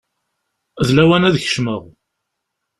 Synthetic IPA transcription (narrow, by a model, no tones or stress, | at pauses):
ðlæwænæðəçə̥ʃməʁ